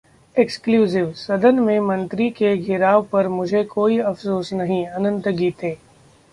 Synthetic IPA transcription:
ekskljuːzɪʋsɐd̪ənmẽmɐ̃nt̪ɾikeɡʱɪɾaːʋpɐɾmʊd͡ʒʱekoːiɐfsoːsnɐɦĩɐnə̃nt̪ɡiːt̪eː

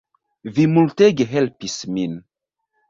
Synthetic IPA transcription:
vimult̪eɡəɦɛlpismin

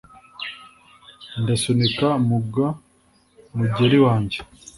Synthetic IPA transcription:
ndasonikamuɡa | muɟeɾiwaːɲɟe

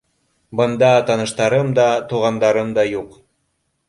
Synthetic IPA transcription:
bɤ̆nd̪ɑt̪ɑnɤ̆ʃt̪ɑɾɤmd̪ɑt̪uʁɑnd̪ɑɾɤmd̪ɑjuq

